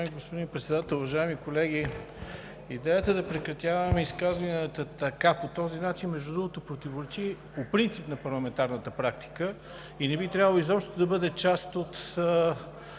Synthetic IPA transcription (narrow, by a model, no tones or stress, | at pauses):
amiɡospod̪inpɾɛt̪sɛd̪at̪əlˠʊvɐʒaimikolɛɡi | id̪ɛjət̪əd̪ɐpɾɛkɾɐt̪ʲjavɐmɛiskazvɐnʲət̪ət̪ɐkapot̪ɔzinat͡ʃinmɛʒd̪ud̪ɾuɡot̪opɾot̪ivoɾɛt͡ʃiɛpopɾint̪sipnɐpɐɾlˠɐmɛnt̪aɾnət̪əpɾak̚t̪i̥kə | inɛbit̪ɾʲjavəlˠoizɔpʃt̪ot̪od̪ɐbɤd̪ɛt͡ʃast̪ot̪